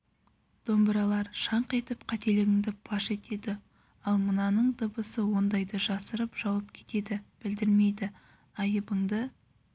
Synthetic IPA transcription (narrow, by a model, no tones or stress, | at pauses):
d̪̥o̞mbəɾɑlˠɑɾʃɑɴqe̞t̪ɪpqʰɑt̪e̞lɪɡʲɪŋd̪ɪb̥ʰɑʃe̞t̪e̞d̪ɪ | ɑlˠmənɑnəɴd̪əbəsəwo̞nd̪ɑjd̪əʒɑsəɾəpʒ̥ɑwɑp̚kʲʰe̞̥t̪e̞d̪ɪb̥ɪld̪ɪɾme̞jd̪ɪ | ɑjəbəɴd̪ə